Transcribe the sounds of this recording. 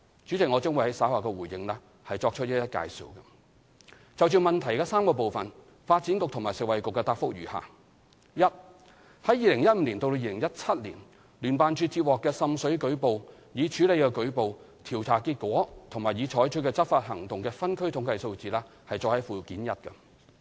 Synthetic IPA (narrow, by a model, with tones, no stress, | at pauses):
t͡ʃy˨˥t͡sɪ˨k̚ŋɔː˨˧t͡sʊ˥ŋwu˨˧jhɐ˨˥jsaː˨˥waː˨˩kɛː˧wuː˨˩jɪ̰˧ŋlɛ˥ | hɐ˨jt͡sɔː˧k̚t͡ʃʰɵ˥t̚jɐ˥t̚jɐ˥t̚ka̰ː˧jsḭ˨˧wkɐ˧ | t͡sɐ˨wt͡ʃyː˨˩mɐ˨nt̪ʰɐ˨˩jkɛː˧saː˥mkɔː˧p̬o˨wfɐ˨n | faː˧t̚t͡si˨˥nkʊ˨k̚t̪ʰʊ˨˩ŋmaː˨˩jsɪ˨k̚wɐ˨˩jkʊ˨kːɛː˧t̪aː˧t̚fʊ˥k̚jy̰ː˨˩ha̰ː˨ | jɐ˥t̚ | hɐ˨˥jiː˨lɪ˨˩ŋjɐ˥t̚m̩ː˨˧˥liː˨˩nt̪o˧t̪o˧jiː˨˧lɪ˨˩ŋjɐ˥t̚t͡sʰɐ˥t̚lḭ˨˩n | lyː˨˩npaː˨nt͡ʃyː˨˧t͡siː˧t̚wɔː˨kːɛː˧sɐ˨msɵ˨˥ɥkɵ˨˥ɥpo˨w | jiː˨˧t͡ʃʰyː˨˥le˨˧jkɛː˧kɵ˨˥ɥpo˨w | t̪ʰiː˨˩wt͡sʰaː˨˩kiː˧t̚kʷɔː˨˥t̪ʰʊ˨˩ŋmaː˨˩jiː˨˧t͡ʃʰɔː˨˥jt͡ʃʰɵ˨˥kɛː˧t͡sɐ˥t̚faː˧t̚hɐ˨˩ŋt̪ʊ˨ŋkɛː˧fɐ˥nkʰɵ˥ɥt̪ʰʊ˨˥ŋkɐ˧jso˧wt͡siː˨lɛː˧ | hɐ˨jt͡sɔː˧khɐ˨˥jfuː˨kiː˨˥njɐ˥t̚kɐ˧